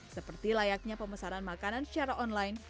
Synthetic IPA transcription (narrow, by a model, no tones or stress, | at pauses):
səpərt̪ilajak̚ɲapəməsaɾanmakananʃiaɾaʔɔnlajn